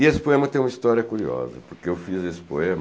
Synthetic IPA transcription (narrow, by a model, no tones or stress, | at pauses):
ɪesɪ̥poẽmɐt̪ẽj̃ũmɐist̪ɔɾiɐkuɾiɔ̰zɐ̰poɾkeewfizesɪ̥poẽm